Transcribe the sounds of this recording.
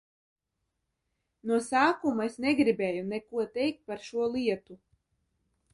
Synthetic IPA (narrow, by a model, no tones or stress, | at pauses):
nuɔsaːkumuesnɛɡɾibɛːjunɛkuɔt̪ɛjk̚t̪̚paɾʃuɔlˠiɛt̪u